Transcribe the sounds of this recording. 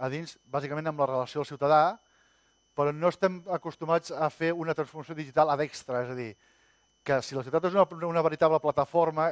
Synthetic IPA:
əðinzbazikəmẽnəmlərələsiolˠsiwt̪əða | pəɾɔnoəst̪ɛməkust̪umad͡zəfeunət̪ɾənsfuɾrməsjoðiʒit̪alˠəðɛkst̪ɾəezəði | kəsiləs̬iwt̪at̪ezununəβəɾit̪aβləplət̪əfoɾmə

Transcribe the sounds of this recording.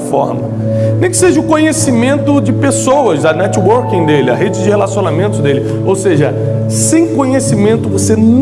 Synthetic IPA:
fɔ̰ɾmɐ | nẽj̃kɪ̥seʒɐʊkõɲesimẽnt̪ʊd͡ʒɪpesowɐzɐnɛt͡ʃwoɾkĩd̪elɪɐɦed͡ʒɪd͡ʒɪhelasionamẽnt̪ʊzd̪elɪ | owseʒɐ | sẽj̃kõɲesimẽnt̪ʊvosen

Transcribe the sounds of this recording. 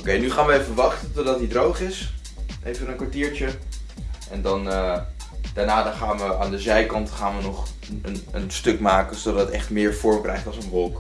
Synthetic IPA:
owkejnyχaːnʋəejvəʋɑχtətodɑt̚didrowχɪs | ʔejvənənkʋaɹtiːɹt͡ʃə | ʔɛndɑnə | d̥aːɹnaːdɑnχaːnʋəaːndəzɛjkɑntχaːnʋənɔχ | ənənstɵkmaːkənsodɑtətɛχtmɪːɹfʊɹmkrɛjχtɑlˠsənʋɔlˠk

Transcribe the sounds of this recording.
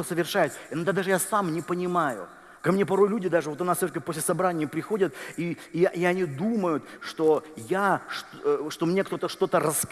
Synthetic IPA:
əsəvʲɪrʂajɪt̪ʲnod̪ad̪aʐɨjasamnʲɪpənʲɪmajʊ̰ | kɐmnʲe̞pɐɾo̞jlʲudʲɪd̪aʐɨvot̪ɐnassʲoɾəkʲɪpo̞sʲlʲɪsɐbɾanʲɪjəpɾʲɪxo̞dʲət̪iɪɐnʲid̪uməjʊt̪ʂt̪o̞jaʂ | ʂt̪o̞mnʲe̞kt̪o̞t̪əʂt̪o̞t̪ərəs

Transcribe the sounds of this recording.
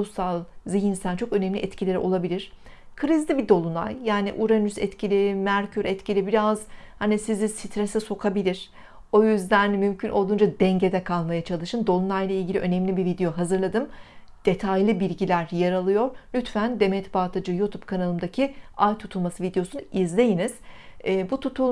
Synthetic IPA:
salˠziɦinst̪ænt͡ʃʰo̞kø̞nɛmlʲiʔɛt̪cʰilʲeɾo̞lˠabilʲiɾ̥ | kʰɯɾizlʲibid̪o̞lˠuna̰jjaːniʔuɾanysɛt̪cʰilʲimæɾcʰyɾɛt̪cʰilʲibiɾazhanisizisit̪ʰɾesɛso̞kʰabilʲiɾ̥ | o̞jyzd̪ænmymcʰynʔo̞lˠd̪und͡ʒad̪ɛɲɟe̞d̪ɛkʰalˠmajat͡ʃʰalˠɯʃɯnd̪o̞lˠunajlˠailʲɟilʲḭø̞nɛmlʲibivid̪e̞jo̞ɦazɯɾlˠad̪ɯmd̪̥e̞t̪ʰajlʲˠɯbiɾʲɟilʲæɾjaɾalˠɯjo̞ɾlʲyt̪fænd̪e̞mɛt̪ʰbaːt̪ʰad͡ʒɯjut̪ʰub̥kʰanalˠɯmd̪acʰiajt̪ʰut̪ʰulˠmasɯvid̪eosunizlʲe̞jiniz̥ɛːbut̪ʰut̪ʰul

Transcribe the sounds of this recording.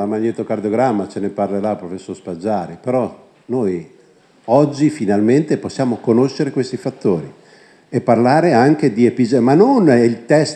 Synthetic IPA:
lamaɲːeːt̪okard̪joɡɾamːat͡ʃeneparleɾapɾofesːorspad͡ʒːaːɾipeɾɔ | noj | ɔd͡ʒːifinalment̪eposːjaːmokonoʃːeɾekwest̪ifat̪ːoːɾi | epːarlaːɾeaŋk̟ed̪iepid͡ʒemanːonilt̪ɛs

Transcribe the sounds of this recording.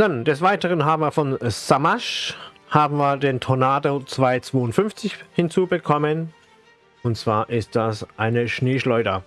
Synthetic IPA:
d̥and̥ɛsv̥aɪtəʁənɦaːbm̩viːɐfɔnsamaʃ | haːbm̩viːɐdeːntʰonaːdot͡sv̥aɪt͡sv̥oːʊntfʏnft͡sɪçhɪnt͡suːbəkʰɔmən | ʊntt͡sv̥aːɐʔɪst̚d̥asʔaɪnəʃneːʃlɔʏdɐ

